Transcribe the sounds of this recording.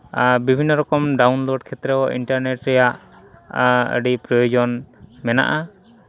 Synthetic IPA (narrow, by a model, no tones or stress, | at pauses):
bibʱinːɔɾɔkɔmɖawnloɖkʰɛt̪ɾɛɔʔḭɳʈaɾneʈɾɛjaʔ | ə̰ɖipɾɔjɔd͡ʒɔnmɛna̰ʔa